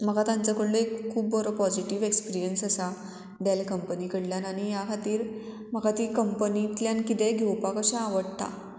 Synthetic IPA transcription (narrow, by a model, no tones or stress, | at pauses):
məɡat̪ãnt͡sakəɽleekkʰːuːbːɔɾɔpɔd͡ʑiʈiʋekspiɾijənsəsa | ɖalkəmpənikəɽljanañijakʰat̪iːɾ | m̤əɡat̪iːkəmpənit̪ljankit̪ɛɡʱewpakəɕãaʋəɽt̪a̰